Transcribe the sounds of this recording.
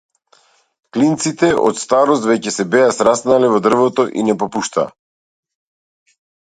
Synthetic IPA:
klint̪sit̪ɛʔɔ̰t̪st̪aɾɔst̪vɛcɛsɛbɛasɾasnalɛvɔd̪r̩vɔt̪ɔʔḭnɛpɔpuʃt̪a̰ː

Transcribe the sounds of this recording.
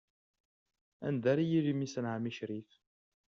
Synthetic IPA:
æ̰nd̪æɾijiɾimisənʕamiʃɾif

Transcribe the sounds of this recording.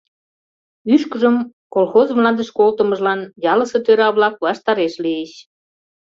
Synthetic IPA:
yʃkəʒəm | kolxozmlɑnd̪əʃkolt̪ə̆mə̆ʒlɑnjɑlə̆sɤt̪øɾɑβlɑk̚βɑʃt̪ɑɾeʃlieɕ

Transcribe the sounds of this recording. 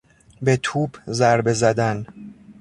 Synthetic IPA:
be̞t̪ʰuːbzæɾbe̞zæd̪æn

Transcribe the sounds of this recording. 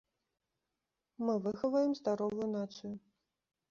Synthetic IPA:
mɨvɨxɐvɐjɛmzd̪aɾɔvujunat̪sɨju

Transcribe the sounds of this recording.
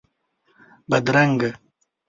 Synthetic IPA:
bɐd̪ɾɐŋɡ

